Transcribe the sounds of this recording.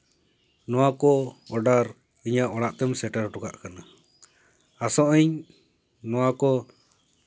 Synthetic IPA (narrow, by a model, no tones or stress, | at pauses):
nɔwakɔɔɖaɾ | iɲaʔɔɽaʔt̪ɛmsɛʈaɾʈuɡa̰ʔkana | asɔʔəɲ | nɔwakɔ